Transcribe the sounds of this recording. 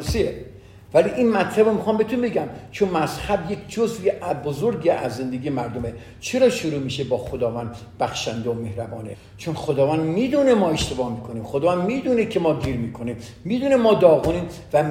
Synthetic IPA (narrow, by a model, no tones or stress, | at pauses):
sie | væliʔinmæt̪ʰlæbomixɒːmbe̞t̪ʰunbe̞ɡæmt͡ʃʰonmæzhæbje̞kʰʲd͡ʒozveʔæbozoɾɡiæzːe̞nd̪eɡiːjemæɾd̪ome | t͡ʃʰe̞ɾɒːʃoɾuːmiːʃebɒːxod̪ɒːvænd̪ | b̥æxʃænd̪eomehɾæbɒːnḛ | t͡ʃʰonxod̪ɒːvænd̪miːd̪uːnemɒːe̞ʃt̪e̞bɒːhmiːkʰoniːmxod̪ɒːvænd̪miːd̪uːnekʰe̞mɒːɡ̪iːɾmiːkʰonimːiːd̪uːnemɒːd̪ɒːɣoniːn | væ